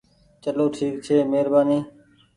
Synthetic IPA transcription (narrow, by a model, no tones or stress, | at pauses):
t͡ʃəloːʈʰiːk̚t͡ʃʰeːmeːɾbaːniː